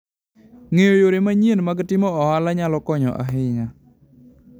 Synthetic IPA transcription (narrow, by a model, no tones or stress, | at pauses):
ŋejojoɾemaɲenmaɡtɪmɔɔalaɲalɔkɔɲɔ̰ʔa̰ɦɪŋa